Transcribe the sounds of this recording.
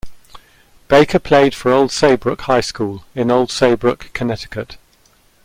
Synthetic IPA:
b̥eɪkʰəpʰl̥eɪd̥fəɹəʊlˠd̥seɪbɹʊkhaɪskuːlɪ̃nəʊlˠd̥seɪbɹʊkʰːənɛtɪ̥kʰət

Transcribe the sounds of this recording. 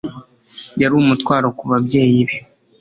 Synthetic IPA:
jaɾuːmutkwaːɾokuβabɟe̞ːjiβjo

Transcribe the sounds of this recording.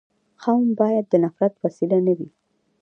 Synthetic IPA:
xawnbɑjad̪ːənafɾat̪wasilanawi

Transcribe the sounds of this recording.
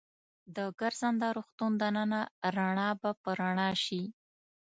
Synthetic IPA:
d̪əɡaɾzand̪ɑɾuxt̪und̪anənaɾaɳɑbapəɾaɳɑʃi

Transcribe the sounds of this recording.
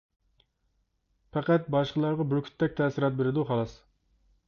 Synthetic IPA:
pæqæt̪̚bɑʃqəlˠɑɾʁɑbɪɾkʲʰy̥t̪ːɛk̚ʲt̪ʰɛːsɪɾɑt̪̚beɾɪd̪uχɑlˠɑs

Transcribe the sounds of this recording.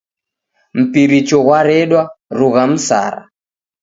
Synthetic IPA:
m̩piɾit͡ʃɔɣwaɾɛɗwaɾuɣam̩sa̰ɾa̰

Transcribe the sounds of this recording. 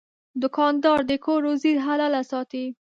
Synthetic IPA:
d̪ʊkɑnd̪ɑɾd̪əkʰoɾozid̪ɦalalasɑt̪i

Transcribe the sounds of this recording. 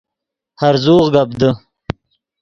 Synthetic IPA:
haɾzuːʁɡabd̪ə

